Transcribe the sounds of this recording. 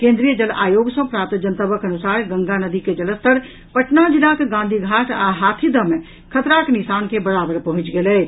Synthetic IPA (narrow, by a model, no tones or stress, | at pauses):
kẽːnd̪ɾijəd͡ʒəlaːjoːɡsə̃pɾap̚t̪d͡ʒənt̪əbəkənusaːɾɡə̃ŋɡanəd̪iked͡ʒələst̪ʰəɾ | pəʈnad͡ʒilakeɡãnd̪ʱiɡʱaʈʰaɦaːt̪ʰid̪əmẽ | kʰət̪ɾaknisaːnkebəɽaːbəɾpɐɦʊ̃t͡ʃɡelɛː